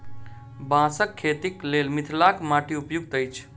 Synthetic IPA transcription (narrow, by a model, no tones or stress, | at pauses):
bãsəkʰːet̪iklelmit̪ʰlakmaʈiupjuɡ̚t̪əjt͡ʃʰ